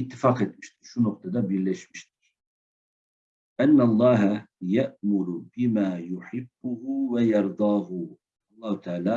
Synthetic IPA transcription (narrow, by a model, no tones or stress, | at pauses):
ɪt̪ːɪfaːqet̪̚mɪʃt̪ikʃunʊq̚t̪ɑd̪abɪlːeʃmɪʃt̪ɪ̥k | ʔanːalˤːɑːɦajaʔmʊɾʊbɪmaːjʊħɪbːʊhʊwajɑɾˤd̪ˤɑːɦʊ | ɑlˤːɑːht̪ʰaʕaːla